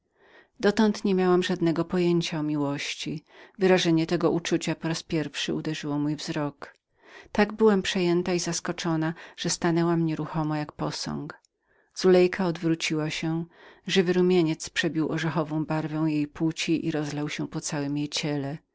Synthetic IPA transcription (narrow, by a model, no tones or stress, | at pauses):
d̪ɔt̪ɔnt̪ɲemʲjawamʐad̪nɛɡɔpɔjeɲt͡ɕaɔmʲiwɔɕt͡ɕivɘɾaʐɛɲɛt̪ɛɡɔʔut͡ʂut͡ɕapɔɾaspʲjɛɾfʂɘud̪ɛʐɘwɔmujvzɾɔk | t̪aɡbɘwampʂɛjɛnt̪aizaskɔt͡ʂɔnaʐ̥ɛst̪anɛwamɲɛɾuxɔmajak̚pɔsɔ̰̃ŋk | z̥ulɛjkʰaɔd̪vɾut͡ɕiwaɕɛʐɘvɘɾumʲjeɲɛt̪spʂɛbʲiwʔɔʐɛxɔvɔ̃w̃baɾvɛ̃w̃jejpwut͡ɕiʔḭɾɔzlɛwɕɛpɔt̪sawɘmjejt͡ɕɛlɛ